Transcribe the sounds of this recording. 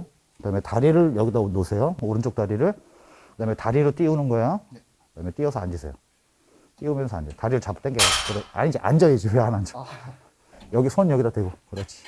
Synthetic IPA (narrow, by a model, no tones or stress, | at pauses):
kɯdametaɾiɾɯɭjʌɡidanosʰe̞jooɾɯnt͡ɕ͈ok̚t͈aɾiɾɯɭ | kɯdamjetaɾiɾot͈iunɯnɡʌeo | kɯdamjet͈iʌsʰʌand͡ʑisʰḛjo | t͈iumjʌnsʰʌa̰nd͡ʑʌotaɾiɾɯɭt͡ɕapʰt͈enɡeakɯɾʌa̰ɲid͡ʑiʔa̰nd͡ʑʌed͡ʑieanand͡ʑo | jʌɡisʰonjʌɡidadwe̞ɡokɯɾʌt͡ɕʰi̥